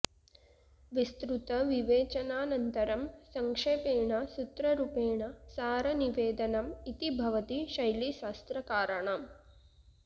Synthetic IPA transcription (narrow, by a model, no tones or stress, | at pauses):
ʋist̪ɾut̪ɐʋiʋeːt͡ʃɐnaːnɐnt̪ɐɾɐmsɐŋkʂeːpeːɳɐsut̪ɾɐɾupeːɳɐsaːɾɐniʋeːd̪ɐnɐmit̪ibʱɐʋɐt̪iʃɐjliʃaːst̪ɾɐkaːɾɐɳaːm